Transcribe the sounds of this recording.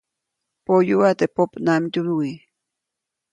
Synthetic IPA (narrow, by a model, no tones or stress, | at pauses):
pojuwat̪epopnamit̪umiwi